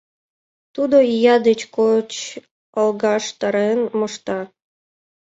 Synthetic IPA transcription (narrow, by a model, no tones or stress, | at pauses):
t̪ud̪ojɑd̪et͡ɕkot͡ɕ | əlɣɑʃt̪ɑɾenmŏʃt̪ɑ